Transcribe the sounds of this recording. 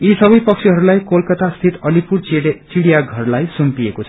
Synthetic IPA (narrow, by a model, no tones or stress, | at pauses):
isʌbʌjpʌk̚t͡sʰiɦʌɾulajkolkʌt̪ast̪ʰit̪ʌlipuɾt͡siɽijaɡʱʌrlajsumpiekot͡sʰʌ